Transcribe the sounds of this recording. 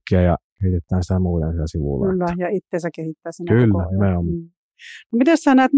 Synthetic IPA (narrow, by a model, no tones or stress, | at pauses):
kːiæjɑ̰kehit̪et̪ːˑæːnsi̥t̪æmuːt̪ḛnsilæsiʋṵlːylːæjɑit̪ːeːsækehit̪ːæːsinylːæimeomː | nomit̪essæːˑnæːt̪